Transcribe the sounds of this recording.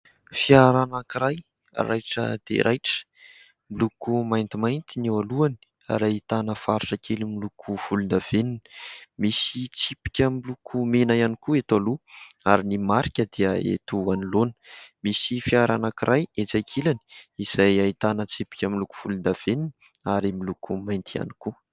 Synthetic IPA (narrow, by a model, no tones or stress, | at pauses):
fiaɾanakiɾaj̰ | rajʈ͡ʂə̰d̪̥ḛɾʔajʈ͡ʂə̥ | milukumajnt̪imajnt̪inewaluani̥ | a̰ɾait̪anəfaɾiʈ͡ʂakʰelimilukʰufulund̪av̥enini̥misit͡sipi̥kʲəmilukʰumenajanikuet̪aluaɾinimaɾikʲəd̪iəḛt̪uanilonə̥misifiaɾanakirʔajet͡sajkʰilaniiz̥ajait̪anət͡sipi̥kʲəmiluku̥v̥ulund̪av̥enini | aɾimilukʰumajnt̪ia̰ni̥ku